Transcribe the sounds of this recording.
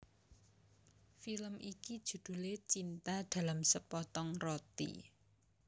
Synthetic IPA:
filəmʔiki̥ʒ̥ṳd̪̥ṳlet͡ʃint̪ad̪̥ä̤lamsəpɔt̪ɔŋrɔt̪ḭ

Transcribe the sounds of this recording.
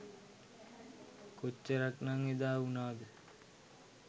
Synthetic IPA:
kot͡ʃːəɾaknaŋed̪aːunaːd̪e

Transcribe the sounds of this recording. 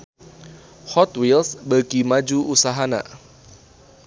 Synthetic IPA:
hɔt̪wilsbəkimad͡ʒuusaɦana̰

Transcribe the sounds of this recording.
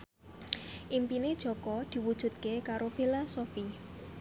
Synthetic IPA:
ʔimpined̥ʒ̥ɔ̤kɔd̪̥i̤wud̥ʒ̥ṳt̪̚kekaɾob̥e̤lasofi

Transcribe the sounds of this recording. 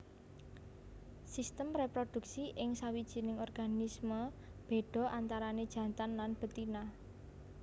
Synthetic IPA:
sist̪əmrepɾod̪̥ṳksiʔɪŋsawid̥ʒ̥i̤nɪŋɔrɡ̥anisməb̥e̤ɖ̥ɔ̤ʔant̪aɾaned̥ʒ̥ä̤t̪anlanb̥ə̤t̪ina

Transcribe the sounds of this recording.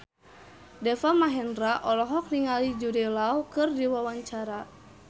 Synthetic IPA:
dɛfamaɦɛndraʔɔlɔɦɔk̚niŋalid͡ʒudɛlaukɨrdiwawaɲt͡ʃaɾa

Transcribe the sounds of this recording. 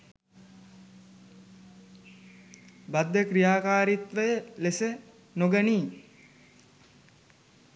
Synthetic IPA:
bad̪ːəkɾijaːkaːɾit̪ʋəjəlesə | noɡəniː

